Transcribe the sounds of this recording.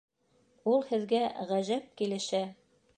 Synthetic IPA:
ulˠhɘ̆ðɡæʁæʑæp̚kilɘ̆ʃæ

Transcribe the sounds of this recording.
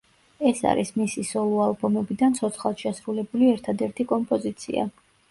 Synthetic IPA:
ɛsa̰ɾismisisɔlˠɔalˠbɔmɛbid̪ant̪sʰɔt̪sχalˠt̪ʃɛsɾulɛbuliɛɾt̪ʰad̪ɛɾt̪ʰikʼɔmpʼɔzit̪sʰḭa̰

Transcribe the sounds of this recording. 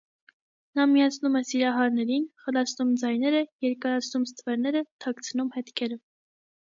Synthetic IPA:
nɑmijɑt͡sʰnumɛsiɾɑɦɑɾnɛɾinχəlɑt͡sʰnumd͡zɑjnɛɾəjɛɾkɑɾɑt͡sʰnumst̪ʰəvɛɾnɛɾət̪ʰɑkt͡sʰənumhɛt̪kʰɛɾə

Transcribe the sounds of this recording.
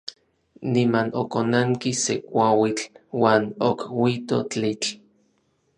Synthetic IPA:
nimanokonaŋkisekʷawit͡ɬwaːnokwit̪ot͡ɬit͡ɬ

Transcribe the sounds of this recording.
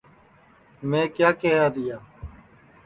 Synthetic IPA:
mẽːkjaːkeɦaːd̪ɪjaː

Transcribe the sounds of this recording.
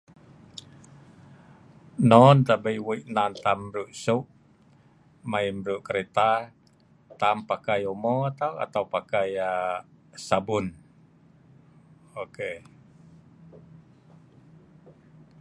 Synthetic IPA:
nɔnt̪abajwuiʔnant̪amɾuʔsuʔ | maimɾuʔkəɾet̪a | t̪ampakajomɔt̪awa̰t̪aupakaja | sabun | oke

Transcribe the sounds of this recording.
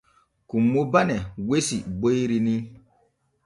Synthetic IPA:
kumːobanewesibojɾini

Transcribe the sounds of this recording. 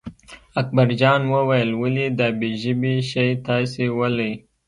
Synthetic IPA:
ak̚baɾd͡ʒɑnwəwajəlwəlid̪ɑbeʒəbiʃajt̪ɑsewələj

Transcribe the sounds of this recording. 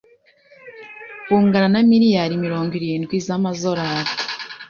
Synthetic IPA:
kuːŋɡananamiɾijaɾimiɾo̞ːŋɡiɾiːnikwiːzamazoɾaɾ

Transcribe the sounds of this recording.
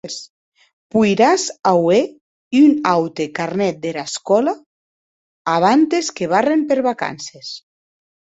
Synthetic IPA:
s | pujɾazawe | iunawt̪ekaɾnɛt̪̚d̪eɾaskɔla | β̞ant̪eskeβ̞arempeɾβaka̰nses

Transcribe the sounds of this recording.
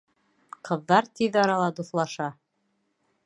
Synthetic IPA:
qɤ̆ðːɑɾt̪iðɑɾɑlˠɑd̪uθlˠɑʃɑ

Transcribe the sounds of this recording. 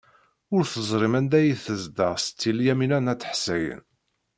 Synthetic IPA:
ʊɾθəzˤɾˤɪmænd̪æjiθəzd̪əʁst͡s̪ːiljæminænæt͡sːə̥ħsæjə̰n

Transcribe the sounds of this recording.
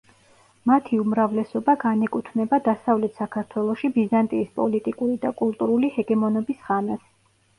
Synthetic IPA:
mat̪ʰiumɾavlɛsɔbaɡanɛkʼut̪ʰnɛbad̪asavlɛt̪ʰsakʰaɾt̪ʰwɛlˠɔʃibizant̪ʼiːspʼɔlit̪ʼikʼuɾid̪akʼulˠt̪ʼuɾulihɛɡɛmɔnɔbisʁamɛs

